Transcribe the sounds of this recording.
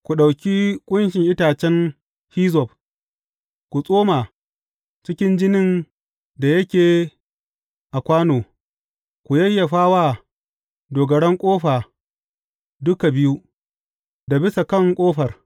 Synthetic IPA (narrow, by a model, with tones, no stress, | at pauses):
kʷu˨ɗa˨wkʲi˦kʷʼʊ˦nʃɪ˨ŋʔɪ˦taː˨t͡ʃɛ˦n | hiː˦zɔ˨p̚ | kʷu˨sʼoː˦maː˨ | t͡ʃɪ˦kʲɪ˦nd͡ʒɪ˦nɪ˦n | da˨jɐ˦kʲeː˨ | ʔa˨kʷaː˦noː˨ | kʷu˨jɐ˦jːa˨ɸaː˦waː˦ | doː˨ɡɐ˨ɽɛ˦ŋkʷʼoː˦ɸaː˨ | dʊ˦ka˨bɪ˦ju˦ | da˨bɪ˦sa˨kɐ˦ŋkʷʼoː˦ɸɐ˨r